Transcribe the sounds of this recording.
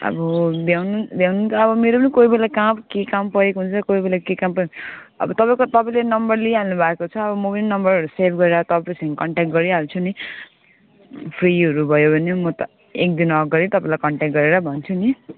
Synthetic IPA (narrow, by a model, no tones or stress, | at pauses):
ʌ̰bʌd̪jawnud̪jawnunt͡sʰʌbʌmeɾopʌnikoibelakabkekampʌɾekɦunt͡sʰʌkoibelakekampʌekʌ̰bʌt̪ʌpãĩkot̪ʌpaĩlenʌmbʌrliɦalnubʱaekot͡sʰʌʌbʌmʌpʌninʌmbʌrʌɾusebʱɡʌɾeɾat̪ʌpapasʰʌ̃kʌɳʈak̚ʈ̚ɡʌɾiɦalt͡sʰuni | pʰriɦʌɾubʱʌjobʱʌnemʌt̪ʌ | ek̚d̪inʌkɡʌɾit̪ʌpãĩlajkʌɳʈak̚ʈ̚ɡʌɾeɾabʱʌnt͡sʰuni